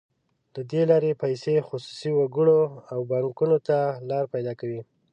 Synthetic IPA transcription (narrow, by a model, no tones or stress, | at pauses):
lad̪elɑɾepajsexʊsu̥siwaɡəɽoawbɑŋkunot̪alɑɾpajd̪ɑkawi